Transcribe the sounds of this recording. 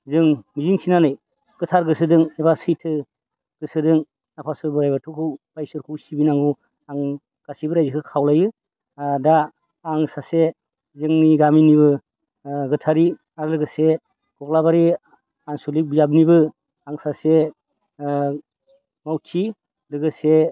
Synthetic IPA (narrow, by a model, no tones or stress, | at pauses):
zɯŋmiziŋsinanɯj | ɡ̥ɯtʰaɾɡɯsɯdɯŋebasɯjtʰɯ | ɡ̥ɯsɯdɯŋ | napʰasɯbɯɾajbatʰukʰɯwbajsɯɾkʰuwsibinaŋu | aŋ | ɡ̥asibɯɾajzikʰɯkʰawlajɯ | daː | ŋsase | zɯŋniɡaminiβɯ | ɡɯtʰaɾi | aɾɯlɯɡɯse | ɡ̥ɔk̚labaɾi | aŋsulik̚bijab̚nibɯ | aŋsase | mawtʰi | dɯɡɯse